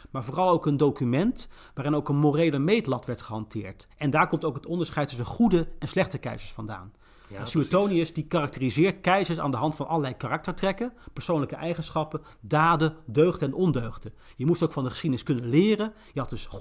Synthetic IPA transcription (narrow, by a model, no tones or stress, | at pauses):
maːɹvoːrɑlˠowkəndowkymɛnt | ʋaːɾɪnowkənmorejləmejtlɑtʋɛɹtχəɦɑntɪ̰ːɹtɛndaːɹkɔmtowkɦətɔndəɹsχɛjtːɵsənχudəɛnslɛχtəkɛ̰jzəɹsfɑnda̰ːn | syotowniəsdikaːrɑk̚tərizɪːɹtkɛjzəɹsa̰ːndəɦɑntfɑnʔɑləlɛjkarɑk̚təɹtrɛkəpəɹsownləkəʔɛjχənsχɑpə | daːdədøɥχdəɛnɔndøɥχdə | jəmustowkfɑndəχə̥sχidənɪskɵnənlɪːrə | jəɦɑt̚dɵs